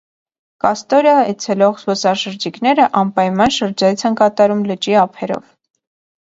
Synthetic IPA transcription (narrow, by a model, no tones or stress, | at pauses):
kɑst̪ɔɾjɑɛt͡sʰɛlɔʁzvɔsɑʃəɾd͡ʒiknɛɾəʔɑmpɑjmɑnʃəɾd͡ʒɑjit͡sʰɛnkɑt̪ɑɾumlət͡ʃiɑpʰɛɾɔ̰v